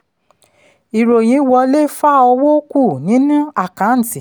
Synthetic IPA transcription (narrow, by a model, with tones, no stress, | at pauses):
i˨ɾo˨j̃ĩ˨˧˦wɔ˧le˦fa˦ɔ˧wo˦ku˦˨nĩ˨˦nũ˦a˦˨kã˨˦n̩˦˨ti˨